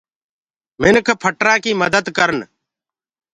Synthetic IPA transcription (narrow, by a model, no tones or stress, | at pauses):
mɪnkʰpʰəʈɾãːkiːməd̪əd̪kəɾən